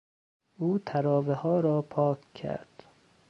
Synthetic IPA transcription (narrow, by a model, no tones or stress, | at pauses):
ʔuːt̪ʰæɾɒːvehɒːɾɒːpʰɒːkʰkʰæ̰ɾd̪̥